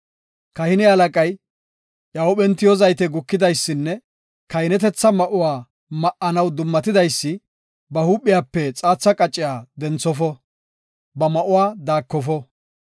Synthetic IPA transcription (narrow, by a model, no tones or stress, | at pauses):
kɐhɪnɪɐlɐkʼɐj | ʔɐwɔɓɛnt̪ːɪjɔzɐjt̪ɛɡʊkːɪd̪ɐjsːɪnːɛ | kɐjnɛt̪ɛt͡sːɐmɐʔʊwaː | mɐʔɐnɐwd̪ʊmːɐt̪ɪd̪ɐjsːɪ | bɐhuːpʼːɪjaːpːɛt͡sʼaːt͡sːɐkʼɐt͡ʃʼːɪjaːd̪ɛnt͡sːɔfɔ | bɐmɐʔʊwaːd̪aːkːɔfɔ